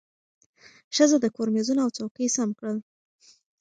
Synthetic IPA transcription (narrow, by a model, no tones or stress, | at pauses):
ʃəzəd̪əkoɾmezunoawt͡sawkəjsamkɽəl